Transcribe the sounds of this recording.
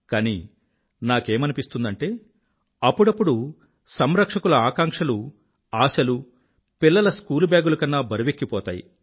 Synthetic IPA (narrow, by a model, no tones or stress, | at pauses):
kaːni | naːke̞ːmɐnipist̪und̪ɐɳʈe̞ː | ɐpːuɽɐpːuɽu | sɐmɾɐkʂɐkulɐaːkaːŋkʂɐlu | aːsɐlu | pilːɐlɐskuːlubjaːɡulɐkɐnːaːbʱɐɾuʋekːipɔːt̪a̰ːjḭ